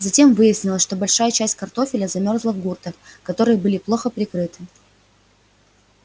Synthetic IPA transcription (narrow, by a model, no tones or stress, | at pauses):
zɐtʲe̞mvɨjɪsʲnʲɪlˠəsʲʂt̪obɐlʲʂajət͡ɕæsʲtʲkɐrt̪o̞fʲɪlʲəzɐmʲo̞rzlˠəvɡurt̪əkɐt̪o̞ɾɨjəbɨlʲɪplˠo̞xəpɾʲɪkɾɨt̪ɨ̥